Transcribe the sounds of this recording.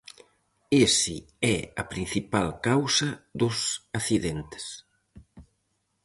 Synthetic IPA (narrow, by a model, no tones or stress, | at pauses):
esɪ̰ | ɛɐpɾĩn̟θipalkawsɐðʊsaθiðent̪ɪ̥s